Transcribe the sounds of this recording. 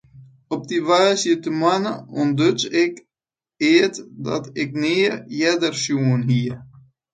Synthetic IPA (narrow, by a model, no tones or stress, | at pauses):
ɔp̚diʋaːsjətəmanəɔndøt͡sɪk | ɪətdɑ̰tɪk̚niːjɛdərsjuənɦiər